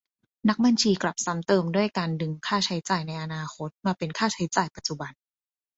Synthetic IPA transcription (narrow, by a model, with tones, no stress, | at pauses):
na˦˥k̚ba˧nt͡ɕʰiː˧kla˨˩p̚sa˨˦˥mt̪ɤː˧mdu˥˩əjkaː˧ndɯ˧ŋkʰaː˥˩t͡ɕʰa˦˥jt͡ɕaː˨˩jna˧jʔa˧naː˧xʰo˦˥t̪̚maː˧pe˧nkʰaː˥˩t͡ɕʰa˦˥jt͡ɕaː˨˩jpa˨˩t̪̚t͡ɕu˨˩ba˧n